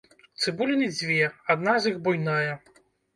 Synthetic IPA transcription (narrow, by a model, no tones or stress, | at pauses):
t̪sɨbulʲinɨd͡zʲvʲɛad̪nazixbujnajɛ